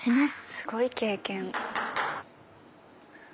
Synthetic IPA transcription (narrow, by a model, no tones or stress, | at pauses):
ɕimasɨ̥sɨ̥ɡo̞ike̞ːkẽŋ